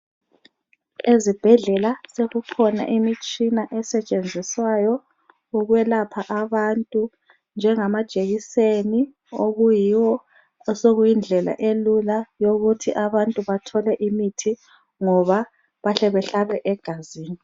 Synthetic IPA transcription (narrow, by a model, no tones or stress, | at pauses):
ezib̥ʱɛɮɛlaseɣuǃʰɔna̰ʔimit͡ʃʼinaʔɛsɛt͡ʃʼend͡zʱiswajɔ | uɣwɛlapʰaʔaβantʼu | nd͡ʒʱɛŋamad̥ʒ̥ʱʼeɣiseni | oɣujiwɔ | soɣujind͡ɮʱɛla̰ʔelulajoɣutʰiʔaβantʼuβatʰɔlɛʔimitʰi | ŋɔβa | βaɬɛβɛɬalwɛʔɛɡ̥ʱaziːni